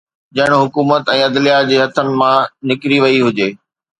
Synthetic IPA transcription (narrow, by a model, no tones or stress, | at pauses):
d͡ʑɐɦɪɽ̃ɦʊkuːmət̪ɛ̃ːɐd̪lijad͡ʑeːɦɐt̪ʰənɪ̆mãnɪkɾiʋɐiɦʊd͡ʑeː